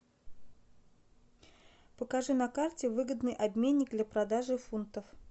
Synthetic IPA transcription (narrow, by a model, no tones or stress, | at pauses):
pəkɐʐɨnɐkartʲɪvɨɡəd̪nɨjʔɐbmʲenʲːɪk̚d̪lʲapɾɐd̪aʐɨfunt̪əf